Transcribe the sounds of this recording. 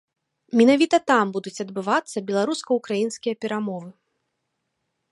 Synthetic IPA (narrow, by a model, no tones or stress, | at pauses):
mʲinavʲit̪ɐt̪ambud̪ut͡sʲɐd̪bɨvat̪sːɐbʲɛlˠaɾuskɐukɾajinskʲijɐpʲɛɾamɔvɨ